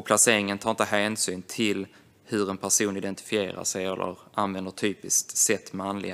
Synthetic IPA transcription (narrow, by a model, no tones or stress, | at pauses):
pʰlaseːɾɪŋənt̪ʰaːɾɪnt̪əɦæːnsyːnt̪ʰɪl | hɵɾɛnpʰæʂuːnɪd̪ɛnt̪ɪ̥fɪeːɾa̰ʂɛjɛlʔə̰ɾʔanvɛnd̪əʈt̪ʰyːpɪskt̪sɛt̪ːmɛanlɪ̰ɡ